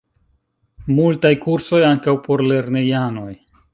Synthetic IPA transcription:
multajkuɾso̞jaŋkawpo̞ɾle̞ɾnejano̞j

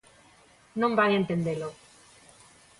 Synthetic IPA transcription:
nõmbaŋẽnt̪end̪elo

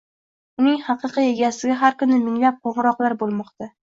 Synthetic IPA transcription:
ʊnɪŋhɑqʰɨqɨe̞ɡʲasɪɡʲaɦaɾkʊnɪmɪŋlap̚qʰoʁɾɒqlˠaɾbolˠmɒqt̪a

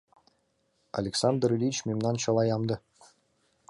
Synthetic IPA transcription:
a̰lʲeksɑnd̪rlʲit͡ɕmʲemnɑnɕɤ̆lˠɑjɑmd̪ɤ̆

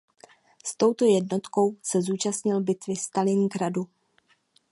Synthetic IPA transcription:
st̪o̞wt̪o̞jɛdno̞t̪ko̞wsɛzuːt͡ʃast̪ɲɪlbɪt̪vɪst̪alɪŋɡɾadu

